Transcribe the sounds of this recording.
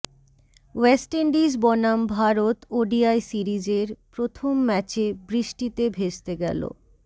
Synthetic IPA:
wesʈeɳɖid͡ʑbɔnambʱaɾot̪oɖiajsiɾid͡ʑeɾpɾot̪ʰomːɛt͡ɕebɾiʃʈit̪ebʱed͡ʑt̪eɡɛ̰lo̰

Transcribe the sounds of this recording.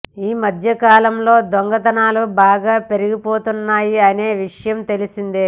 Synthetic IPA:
iːmɐd̪ʱjɐkaːlɐmlo̞ːd̪ʋoŋɡɐt̪ɐnaːlubaːɡaːpe̞ɾuɡipoːt̪unːaːjiɐneːʋiʂɐjɐmt̪e̞lisind̪e

